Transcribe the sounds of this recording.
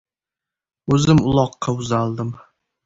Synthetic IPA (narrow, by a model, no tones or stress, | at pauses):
ɵzɪmʊlˠɒqːɑʊzalˠd̪ɪm